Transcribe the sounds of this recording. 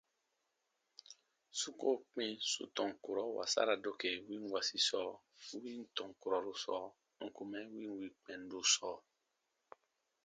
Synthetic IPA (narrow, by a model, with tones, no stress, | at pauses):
su˦ko˦k͡pẽ˦so̰˨tɔ̃˨ŋko˨ɾɔ˨˦wa̰˨sa̰˦ɾa˨do˦ke˨wĩ˦wa˨si˨sɔ˦ | wĩ˦n˦tɔ̃˨ko˨ɾɔ˨ɾo˦sɔ˨ | ŋ̩˨ku˨mɛ˦wĩ˦wi˨k͡pɛ̃˨n˦do˦sɔ˨